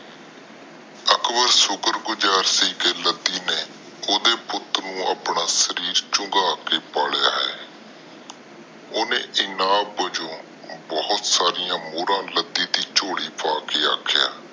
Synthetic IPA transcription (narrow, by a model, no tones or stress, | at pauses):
əkbəɾsʊkəɾɡʊd͡ʒaːɾsiːkeːləd̪iːneː | oːd̪eːpʊt̪nũːʔaːpnaːsəɾiːɾt͡ʃʊŋɡaːkeːpaːɽjaːɦɛ̰ː | oːnḛ̃ːʔɪnãːbəd͡ʒõː | bɔːʊt̪saːɾɪjãːmoːɾãːləd̪iːd̪iːt͡ʃoːɽiːpʰaːkeːa̰ːkʰja̰ː